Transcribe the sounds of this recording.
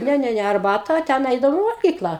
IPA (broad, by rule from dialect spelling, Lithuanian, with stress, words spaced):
ˈnʲɛ ˈnʲɛ ˈnʲɛ ɐrˈbɑːtɐ ˈtʲɛn ˈɛɪdɐʋoːm ɪ ʋɐlʲˈɡʲiːklˠɐ